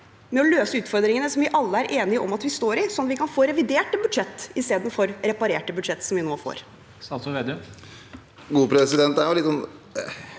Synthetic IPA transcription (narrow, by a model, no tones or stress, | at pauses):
mɛɔløːsəʉːt̪fɔɾd̪ɾɪŋənəsɔmʋɪʔɑlːəæɾʔeːnɪəʔɔ̰mɑt̪ʋɪst̪oːɾɪsɔnɑʋɪkʰɑnfoːɾɛʋɪd̪eːʈəbʉd̪ʂɛt̪ːɪst̪eːd̪n̩fɔɾɾɛpɑɾeːʈəbʉd̪ʂɛt̪ːsɔmʋɪnoːfo̰ːɾ | sɑsɔʋeːd̪ʉ | ɡuːpʰɾɛsɪd̪ɛnt̪æjʊlɪt̪ːsɔn